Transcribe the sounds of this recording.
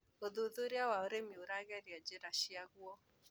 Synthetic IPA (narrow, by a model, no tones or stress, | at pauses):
oðuðʊɾjawaoɾemiuɾaɣɛɾjad͡ʒeɾaʃiaɣuɔ